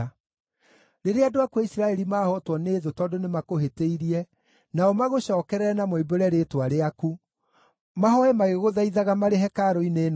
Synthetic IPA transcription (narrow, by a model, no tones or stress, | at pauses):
ɾeɾeadoakwaisiɾaɛɾimaːhɔtwɔneːðotɔːdonemakoɦeteiɾiɛ | naɔmaɣoɕɔːkɛɾɛnamoiboɾɛɾeːtwaɾeaku | maɦɔɛmaɣeɣoðaiðaɣamaɾeɦɛkaɾoineːn